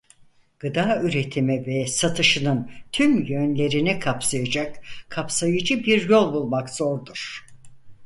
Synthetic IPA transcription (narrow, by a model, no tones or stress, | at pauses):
ɡ̥ɯd̪aːyɾe̞t̪ʰimivɛsat̪ʰɯʃɯnɯnt̪ʰymjønlʲe̞ɾinikʰapsajad͡ʒakkʰapsajɯd͡ʒɯbiɾjolˠbulˠmakz̥oɾd̪uɾ̥